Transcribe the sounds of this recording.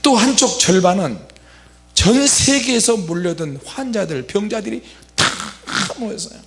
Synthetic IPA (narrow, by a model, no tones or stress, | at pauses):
t͈oɦant͡ɕʰok̚t͡ɕʌɭbanɯn | t͡ɕʌnsʰe̞ɡeːsʰʌmuʎːʌdɯnɸwand͡ʑadɯɭpjʌŋd͡ʑadɯɾitamoes͈ʌjo